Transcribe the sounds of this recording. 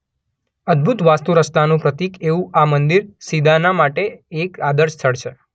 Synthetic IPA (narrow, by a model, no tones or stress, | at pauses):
əd̪̚bʱut̪ʋast̪uɾəst̪anũpɾət̪ikeʋũʔamənd̪iɾsid̪ʱanamaʈeːkad̪əɾʃt̪ʰəɭʃʰe